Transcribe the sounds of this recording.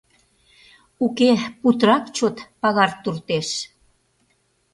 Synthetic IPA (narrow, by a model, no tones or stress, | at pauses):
ukeput̪ɾɑkt͡ɕot̪pɑɣɑrt̪urt̪eʃ